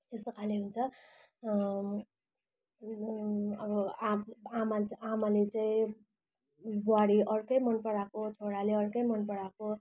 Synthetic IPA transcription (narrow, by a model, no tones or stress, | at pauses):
est̪ʌkʰaleɦunt͡sʰʌ | ʌbʌaamaamalet͡saĩ | bwaɽiʔʌrkʌjmʌnpʌɽakot͡sʰoɽaleʌrkʌjmʌnpʌɽako